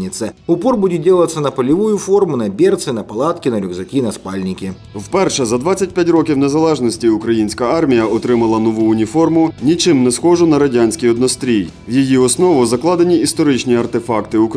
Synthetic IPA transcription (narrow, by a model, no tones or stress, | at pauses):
nʲɪt̪sɛʊpɔrbudʲɪdʲelˠɐt̪sɐnɐpɐlʲɪʋujʊfɔrmʊnɐbʲert̪sɨnɐpɐlˠɑt̪kʲɪnɐɾʲʊɡzɐkʲinɐspalʲnʲɪkʲɪ | wpɛrʃɛzɐd̪ʋat͡sʲːɐt̚ʲpʲatʲrɔkʲiwnɛzɐlˠɛʒnɔsʲtʲiʊkɾɐjinʲsʲkɐɑrmʲijɐʔɔt̪ɾɪmɐlˠɐnɔʋuʊnʲifɔrmʊnʲit͡ʃɪmnɛsxɔʒʊnɐɾɐdʲanʲsʲkʲijɔd̪nɔst̪ɾʲij | wjijiɔsnɔʋʊzɐklˠɑd̪enʲiist̪ɔɾɪt͡ʃnʲiɐrt̪efɑkt̪ɪʊk